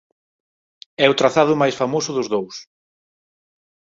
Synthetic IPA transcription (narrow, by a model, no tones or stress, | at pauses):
ɛʊt̪ɾaθaðʊmajsfamosʊðʊzðows